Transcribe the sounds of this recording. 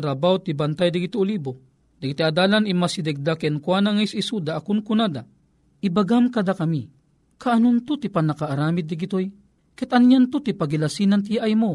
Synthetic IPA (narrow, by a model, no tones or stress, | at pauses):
ɾabawt̪ibant̪ajd̪iɡit̪uoliːbo | d̪ɐɡit̪iad̪aːlanimasid̪ɛɡ̚d̪akɛnkwanaŋajsisud̪aʔːkunkunad̪a | ʔibaɡamkad̪akami | kaʔːnunt̪ut̪ipanakaːɾaːmid̪̚ːɪɡit̪oj | kɛt̪anjant̪ut̪ipaɡilasinant̪̬ijaʔajmo